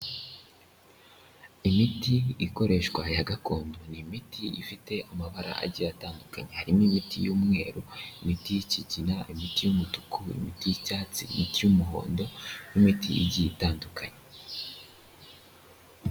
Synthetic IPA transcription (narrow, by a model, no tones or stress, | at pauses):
imitiiko̞ɾe̞ːʃkwajaɡako̞ːndonimitʰiifite̞amaβaɾa̰ʔa̰ɟiataːndukaɲehaɾimoimitʰijuːmŋe̞̰ːɾoimitijiciɟinaʔimitijumutu̥kuḭmitijicaːt͡sḭimitijumuɦo̞̰ːndo̞jimitḭḭɟiitaːndukʰaɲe